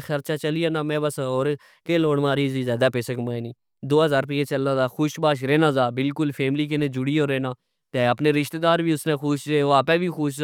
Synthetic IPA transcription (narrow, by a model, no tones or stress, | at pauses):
xəɾt͡ʃaːt͡ʃəlijaːnãːmɛ̃ːbəsoːɾ | keːloːɽmãːɾiːziːzjaːd̪aːpeːsəkmãːiːnĩː | d̪oːɦəzaːɾp̬eːeːt͡ʃəlːãːzaːxʊʃbaːʃ̬ɾeːnãːzaːbɪlkʊlpʰɛːmliːk̬ɪnẽːd͡ʒʊɽiːoːɾeːnaː | t̪eːəpneːɾɪʃt̪eːd̪aːɾʋiːʊsnẽːxʊʃeːoːaːpɛ̃ːʋiːxʊːʃ̬